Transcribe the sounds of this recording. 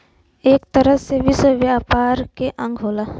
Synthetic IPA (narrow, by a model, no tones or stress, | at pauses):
eːk̚t̪əɾəseʋɪswəʋjaːpaːɾkeʔɐ̃ŋɡɦoːlaː